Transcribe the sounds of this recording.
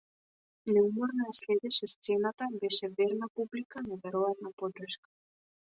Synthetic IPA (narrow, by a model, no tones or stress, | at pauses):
nɛumɔɾnɔjaslɛd̪ɛʃɛst̪sɛnat̪abɛʃɛvɛɾnapublikanavɛɾɔjat̪napɔd̪r̩ʃkḁ